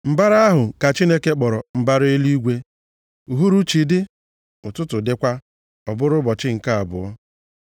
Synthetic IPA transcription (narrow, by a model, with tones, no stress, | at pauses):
m̩˨ba˦ɾa˦ɦʊ˨ka˨t͡ʃi˦ne˦ke˦k͡pɔ˨ɾɔ˨m̩˨ba˦ɾɪ˦li˦ɡʷe˦ | u˨ɦu˦ɾu˦t͡ʃi˨dɪ˦ | ʊ˨tʊ˦tʊ˨dɪ˦kʷa˦ | ɔ˨bʊ˦ɾʊ˦bɔ˨t͡ʃɪ˦ŋ̩˨ka˦a˨bʊ˨ɔ˦